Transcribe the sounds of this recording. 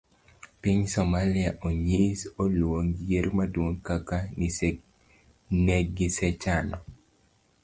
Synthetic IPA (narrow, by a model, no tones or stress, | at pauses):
piɲsɔmaliaʔoɲisolwoŋjeɾmadwoŋkakanise | neɡɪsɛt͡ʃanɔ